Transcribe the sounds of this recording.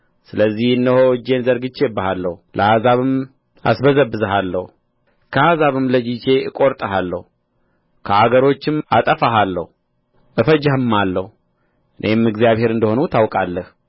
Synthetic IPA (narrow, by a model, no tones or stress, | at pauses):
sɨləzːihɨnːəhoɨd͡ʒe̞nzəɾɡɨt͡ʃːe̞bːahalːəhulʔəhazaβɨm | a̰sbəzəbːɨzəhalːə̰hu | kʰəhazaβɨmləd͡ʒit͡ʃe̞ɨkʼo̞ɾt̪ʼəɦalːə̰hu | kʰəʔaɡəɾo̞t͡ʃːɪmʔat̪ʼəfaɦalːəhu | ʔɨfəd͡ʒahɨmːalːəhu | ʔɨnʔe̞mɨɡzijaβhe̞ɾɨnd̪əho̞nut̪ʰawkʼalːəh